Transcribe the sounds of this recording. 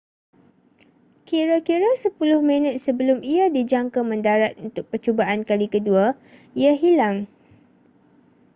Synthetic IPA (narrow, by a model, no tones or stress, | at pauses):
kiɾakiɾasəpulʊhmə̃nət̪̚səbəlʊmiadid͡ʒaŋkamə̃ndaɾat̪̚unt̪ʊk̚pərt͡ʃobaʔankalikədua | iaɦilaŋ